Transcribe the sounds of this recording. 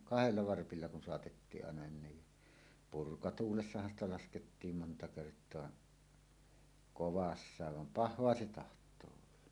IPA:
kɑheliɑ ʋɑrpilːɑ kun soɑtetːiːʔ ʔɑˑenɑ ni purkɑtuːlesːɑhɑn stɑ lɑsketːiːm montɑ kertˑoɑ koʋɑsːɑːʋ ʋɑm pɑhˑoɑ se tɑhtˑoː olːɑ

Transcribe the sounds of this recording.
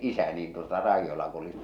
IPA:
ʔisæ niːn tuotɑ rɑijːolɑ kulit

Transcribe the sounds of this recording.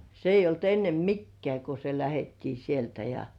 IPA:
se ijˑ olt enːem mikːĕæˑ ko se læhetːiː sieltæ jɑ

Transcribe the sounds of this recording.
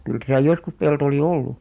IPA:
kyl tæsæˑ joskus pelto oli olːu

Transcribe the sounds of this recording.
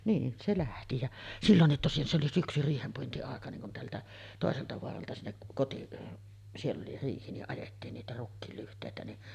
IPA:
niːn se læhti jæ silːonːit tosin se oli syksy riːhempuintiɑˑekɑ niŋ kun teæltæ toˑeseltɑ ʋoɑrɑltɑ sinːek kotiʔ sielː oli riːhi niʔ ʔɑjetːiːn niːtæ rukːiːl lyhtˑeˑitæ ni

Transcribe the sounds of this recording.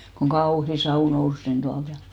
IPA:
koŋ ɡ̊ɑuhi sɑu nous nin d̥uɑlt jɑ

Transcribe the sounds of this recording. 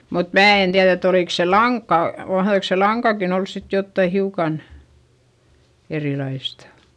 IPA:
mut mæː en tiæð et oliˑks se lɑŋkːɑ mɑhðoiks se lɑŋkɑkin ols sit jotːɑi hiukɑn erilɑistɑ̥

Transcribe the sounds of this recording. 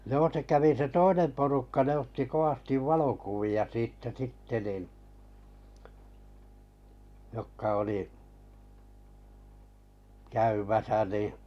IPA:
joː se kæʋi se toinem porukːɑ ne otːi koʋ̆ɑstiʋ ʋɑlokuʋiɑ siːtːæ sitːe nin jokːɑ oli kæymæsæ niˑ

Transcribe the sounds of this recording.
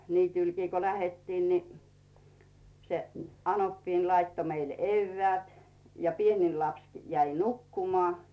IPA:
niːtyˑlkiː ko læhetːiːn ni se ɑnopːiːn lɑitːo meile eyʋːeæˑt jɑ pienil lɑpski̥ jæi nukːumoɑˑ

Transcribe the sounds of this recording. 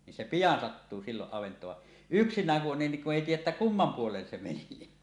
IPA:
nin se pijɑn sɑtːuː siːloʔ ʔɑʋentˑoːʋ ʋɑ yksinˑæːŋ ku on niŋ kuʔ ʔeˑi tiːjˑæʔ ʔetːæ kumːɑm puolen se meni

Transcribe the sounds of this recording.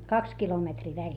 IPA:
kɑks kilometriː ʋælʲ

